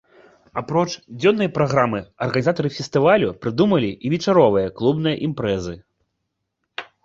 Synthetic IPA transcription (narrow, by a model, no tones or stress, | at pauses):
apɾɔt͡ʂd͡zʲɔnːɐjpɾaɣɾamɨɐrɣɐnʲizat̪ɐɾɨfʲɛst̪ɨvalʲupɾɨd̪umɐlʲiʔivʲɛt͡ʂaɾɔvɨjɐklˠubnɨjɐʔimpɾɛzɨ